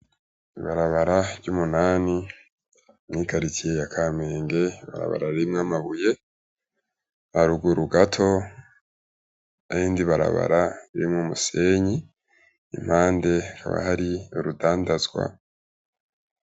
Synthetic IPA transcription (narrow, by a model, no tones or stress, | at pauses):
iβaɾaβaɾaβɟuːmunaːni | mŋiːkaɾitʰijejakʰaːme̞ːŋɡe̞βa̰ɾa̰βa̰ɾaβiimŋamaβuje̞ | βaɾuɡuɾuɡatʰo̞ | aiːndiβaɾa̰βa̰ɾaβiɾimŋumuse̞ɲi | ḭm̥haːnde̞ka̰βa̰haɾioɾudaːndazɡwa̰